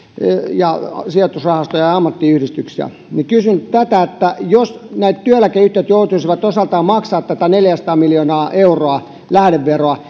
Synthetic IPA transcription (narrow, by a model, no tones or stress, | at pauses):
jɑsiɑt̪usrɑhɑst̪ojɑjɑɑmːɑt̪ːiyhɾist̪yksiæ̰ | nikysynt̪æt̪æet̪ːæjosnæit̪t̪yølækeyht̪eit̪jout̪uisiʋɑt̪osɑlt̪ɑːmmɑksɑːt̪t̪æt̪æneljæst̪ɑːmiljoːnɑːʔeuroɑ | læhɾeʋʋeroɑ